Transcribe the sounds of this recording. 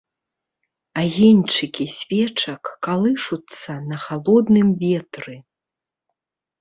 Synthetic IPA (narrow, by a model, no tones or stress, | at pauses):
aɣʲɛnʲt͡ʂɨkʲisʲvʲɛt͡ʂɐkːalˠɨʂut̪sːɐnɐxalˠɔd̪nɨmvʲɛt̪ɾɨ